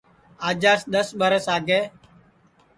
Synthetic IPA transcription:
aːd͡ʒaːsɗ̪əsɓəɾəsaːɡeː

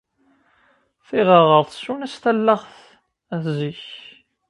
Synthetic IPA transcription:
θiʁəʁəɾˤθsːunæst̪ælːəχθ | æθziç

